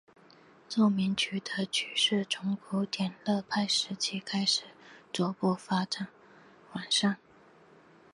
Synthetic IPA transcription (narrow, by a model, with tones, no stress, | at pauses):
t͡swɔ˥˩mi˧˥ŋt͡ɕʰy˨˩t̪ə˧˥t͡ɕʰy˨˩ʂɻ̩˥˩ʈ͡ʂʰʊ˧˥ŋkʰu˧˥t̪jɛ˨˩nlɤ˥˧pʰa˥˩ɪʂɻ̩˧˥t͡ɕʰi˥˩kʰa˥ɪʂɻ̩˨˩t͡swɔ˧˥pɔ˥˩fa˥ʈ͡ʂa˨˩˦n | wa˨˩nʂɑ˥˩ŋ